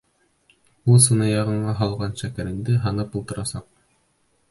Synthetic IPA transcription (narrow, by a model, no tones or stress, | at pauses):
ulˠsɤ̆nɤjɑʁɤ̆ɴɑɦɑlˠʁɑnʃækæɾɘ̆nd̪ɘɦɑnɤpulˠt̪ɤ̆ɾɑsɑq̚